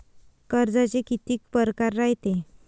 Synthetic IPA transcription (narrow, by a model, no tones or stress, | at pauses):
kəɾd͡zat͡ɕekit̪iːk̚pəɾkaɾːaɦjt̪e